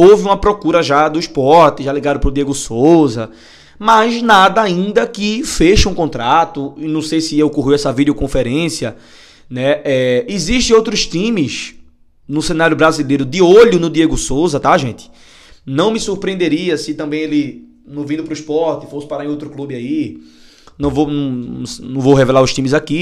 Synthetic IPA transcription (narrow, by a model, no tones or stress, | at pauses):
owvɪũmɐpɾɔkuɾɐʒad̪ʊispɔɾt̪ɪʒaliɡad̪ʊpɾʊd̪ieɡʊsozɐ | maznad̪ɐaĩnd̪ɐkɪfeʃɐũkõnt̪ɾat̪ʊɪnɐ̃w̃sejsɪewkoɦiwɛsɐvid̪jokõfɛɾẽsiɐ | nɛɛiziʃt̪ẽowt̪ɾʊʃt̪ĩmɪz | nʊsẽnaɾjʊbɾazilejɾʊd̪ɪoʎʊnʊd̪ieɡʊsowzɐt̪aʒẽnt̪ɪ̥ | nɐ̃w̃mɪsuɾpɾiẽnd̪eɾiɐsɪt̪ɐ̃mbẽj̃elɪ | nʊ̃vĩd̪ʊpɾʊispɔɾt̪ɪfosɪ̥paɾaẽowt̪ɾʊklubɪai | nɐ̃w̃vowñsnɐ̃w̃vowɦevɛlaɾʊʃt̪ĩmɪzaki